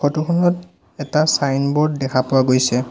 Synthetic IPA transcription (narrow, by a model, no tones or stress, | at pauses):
kʰɔtukʰɔnɔt | ɛtasajnbɔɹddɛkʰapʊwaɡojsɛ